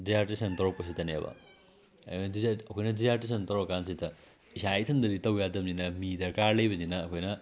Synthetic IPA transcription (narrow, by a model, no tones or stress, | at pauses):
dizaɾtisɐntɐɾopɐs̬itɐnja̰bɐ̰ | ɐ̰kondizɐkʰojnɐdizaɾtis̬ɐntɐɾkansitɐ | isajtʰɐndɐɾitɐwjadɐmninɐmidɐɾkaɾlɐjbɐninɐːkʰojnɐ